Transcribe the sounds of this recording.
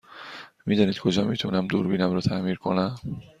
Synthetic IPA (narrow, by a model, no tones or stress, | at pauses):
miːd̪ɒːniːd̪̥̚kʰo̞d͡ʒɒːmit̪ʰunæmd̪uːɾbiːnæmɾɒːt̪ʰæʔmiːɾkʰonæm